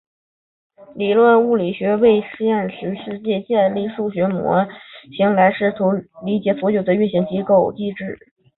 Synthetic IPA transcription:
li˨˩lwə˥˧nu˥˩li˨˩ɕɥɛ˧˥we˥˧ɪʂɻ̩˥˧jɛ˥˩nɕy˧˥ʂɻ̩˥˧t͡ɕjɛ˥˧t͡ɕjɛ˥˧nli˥˧ʂu˥˩ɕɥɛ˧˥mwɔ̰˧˥ɕi˧˥ŋla˧˥ɪʂɻ̩˥˩t̪ʰu˧˥ʊli˧˥t͡ɕjɛ˧˥fwɔ˧˥jo˨˩ʊd̪ə˦y˥˩nɕi˧˥ŋt͡ɕi˧˥ko˥˩ʊt͡ɕi˥˧ʈ͡ʂɻ̩˥˩

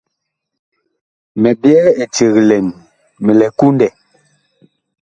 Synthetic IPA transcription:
mɛ˨bjɛ˦e˨t͡ʃe˨ɣlɛ˨n | mɛ˨lɛ˨ku˦ndɛ˨

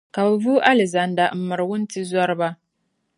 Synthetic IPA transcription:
ka˨ba˨vuː˦ʔa˦lɪ˨za˨nda˨m̩˨mɨ˨ɾɨ˨wʊ˦n˦ti˦zɔ˦ɾɨ˦ba˦

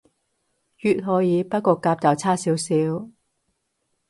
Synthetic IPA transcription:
jyː˨t̚ɦɔː˨˧jiː˨˧pɐ˥t̚kɔː˧kaː˧p̚t̪a˨˧wt͡sʰaː˥siː˨˥wsiː˨˥w

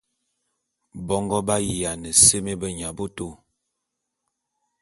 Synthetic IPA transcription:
bɔ˦ŋɡɔ˦ba˦ji˨ja˨nɛ˨se˦me˦bə˦ɲa˨bo˦to˦˨

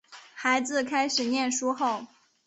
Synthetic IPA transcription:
xa˧˥ɪd͡zɹ̩˧kʰa˥ɪʂɻ̩˨˩njɛ˥˩nʂu˥xo˥˩ʊ

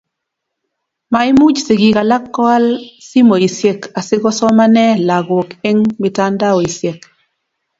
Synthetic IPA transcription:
ma˨ɪ˦mu˦d͡ʒsɪ˨ɡi˨ka˨la˦kːɔ˦a˦lsi˦mo˨i˨sje˨ka˨sɪ˦ɡɔ˦sɔ˦ma˦nɛ˦la˨ɡwɔ˨ke˦ŋmɪ˨ta˦nda˦ɔ˨i˨sje˨k

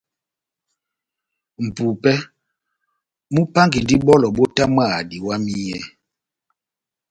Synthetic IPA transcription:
m̩˨pu˨pɛ˦ | mu˦pa˦ŋɡi˨n˨di˦ɓɔ˦lɔ˨ɓo˦ta˦ma˦˨di˨wa˦mi˦jɛ˦˨

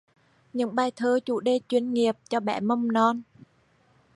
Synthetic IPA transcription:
ɲɨ̰˧˥ŋɓaː˧˩jt̪ʰəː˧˦t͡ɕṵ˧˩ɗe˧t͡ɕwi˧ənŋi˨˩əp̚t͡ɕɔ˧ɓɛ̰˧˩mə˧wŋ͡mnɔ˧n

